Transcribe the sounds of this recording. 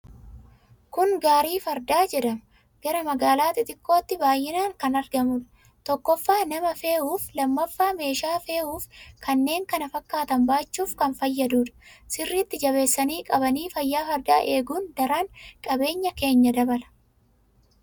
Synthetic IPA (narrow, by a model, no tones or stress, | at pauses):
kʊŋɡaːɾiːfɐɾd̪aːd͡ʒɛᶑɐmɐ | ɡ̥ɐɾɐmɐɡaːlaːt̪ɪt̪ʼɪkːo̞ːt̪ːɪbaːjːɪnaːŋkɐnɐɾɡɐmʊᶑ | t̪ɔkːɔfːaːnɐmɐfe̞ːhuːflɐmːɐfːaːme̞ːʃaːfe̞ːuːfkʰɐnːe̞ːŋkɐnɐfɐkːaːt̪ɐmbaːt͡ʃːuːfkɐnfɐjːɐd̪uːᶑɐ̥sɪrːiːt̪ːɪd͡ʒɐβe̞ːsːɐniːkʼɐbɐniːfɐjːaːfɐɾd̪aːʔe̞ːɡuːnd̪ɐɾaːŋkʼɐbe̞ːɲːɐke̞ːɲːɐd̪ɐbɐlɐ̥